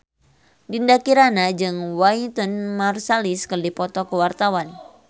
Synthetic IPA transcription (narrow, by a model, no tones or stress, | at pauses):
dindakiɾanad͡ʒɨŋwaint̪ɔnmarsaliskərdipɔt̪ɔkəwart̪awan